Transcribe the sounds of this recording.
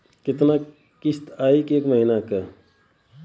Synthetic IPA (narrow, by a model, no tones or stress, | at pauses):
kɪt̪na | kist̪aːikeːkməɦinakə